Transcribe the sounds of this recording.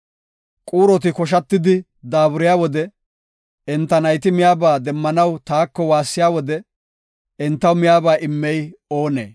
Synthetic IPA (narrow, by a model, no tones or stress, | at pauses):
kʼuːɾɔt̪ɪkɔʃ̬ɐt̪ːɪd̪ɪ | d̪aːbʊɾɪjaːwɔd̪ɛ | ɛnt̪ːɐnɐjt̪ɪmɪjaːbaːd̪ɛmːɐnɐwt̪aːkːɔwaːsːɪjaːwɔd̪ɛ | ɛnt̪ːɐwmɪjaːbaːʔɪmːɛjo̞ːnḛː